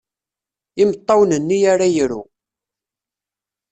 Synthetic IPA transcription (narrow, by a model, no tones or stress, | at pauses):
ɪmət̪ˤːɑwnənːijaɾajəɾṵ